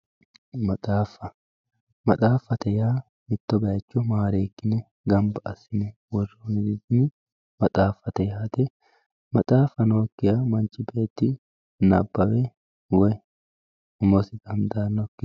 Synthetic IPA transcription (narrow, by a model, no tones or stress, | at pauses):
mɐt̪ʼaːfːɐ | mɐt̪ʼaːfːɐt̪ɛjaː | mɪt̪ːɔbɐjɐt͡ʃːɔmaːɾeːkːɪnɛ | ɡɐmbɐʔɐsɪnɛwɔrːoːnɪd̪ɪd̪ɪnɪ | mɐt̪ʼaːfːɐt̪ɛjaːt̪ɛ | mɐt̪ʼaːfːɐnoːkːɪjamɐnt͡ʃʼːɪbe̞ːt̪ːɪ | nɐ̰bːɐwɛ | wɔj | ʊmɔsɪɡɐmd̪aːnɔkːɪ